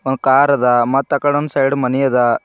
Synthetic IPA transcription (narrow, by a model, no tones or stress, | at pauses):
onkaːɾɐd̪ɐmɐt̪ːɐkːɐɽond̪sɐjɽmɐnijɐd̪ɐ